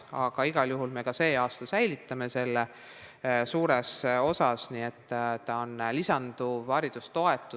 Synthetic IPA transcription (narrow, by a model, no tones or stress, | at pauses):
ɑɡ̥ɑiɡ̥ɑljuɦulme̞kɑse̞ːɑːst̪ɑsæjlit̪ːɑme̞se̞lːe | suːɾe̞so̞sɑsniːe̞t̪ːt̪ɑonlisɑnd̪̥uvɑɾid̪̥ust̪o̞e̞t̪ːˑu